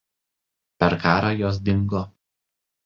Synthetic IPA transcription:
pʲɛɾkɑːɾɑːjoːs̬d̪ʲɪŋɡo

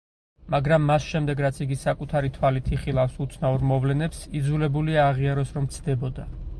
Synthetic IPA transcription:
maɡɾamːasʃɛmd̪ɛɡɾat̪sʰiɡisakʼut̪ʰaɾit̪ʰwalit̪ʰiχilˠafsut̪sʰnauɾmɔvlɛnɛpsid̪zulɛbuliaːʁiaɾɔsɾɔmt̪sʰd̪ɛbɔd̪a

